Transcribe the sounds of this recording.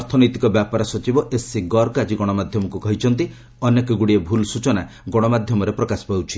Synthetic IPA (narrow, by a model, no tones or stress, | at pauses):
ɔɾt̪ʰɔnɔjt̪ikɔbjapaɾɔsɔt͡ʃibɔʔesːiɡɔɾkad͡ʒiɡɔɽ̃ɔmad̪ʱjɔmɔkukɔɦit͡ʃʰɔnt̪i | ɔnjekɔɡuɽiebʱulsut͡ʃɔna | ɡɔɽ̃ɔmad̪ʱjɔmɔɾepɾɔkasɔ̥pawt͡ʃʰi̥